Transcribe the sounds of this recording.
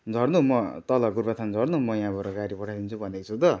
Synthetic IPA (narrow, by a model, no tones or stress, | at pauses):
d͡zʱʌrnuɦmʌt̪ʌlʌɡurbat̪ʰand͡zʱʌrnuɦmʌjãbʱʌɾaɡaɾipʌʈʰad̪int͡sʰubʱʌnd̪et͡sʰut̪ʌ